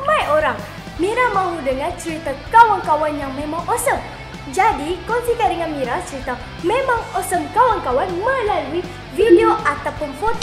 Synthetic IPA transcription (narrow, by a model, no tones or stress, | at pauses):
majoɾaŋ | miɾamãɦudəŋant͡ʃəɾit̪akawaŋkawanjaŋmẽmaŋosəm | d͡ʒadikɔnsikaɾəŋanmiɾat͡ʃəɾit̪a | mẽmaŋɔsəmkawaŋkawanməlalui | videoʔat̪apʊnfot̪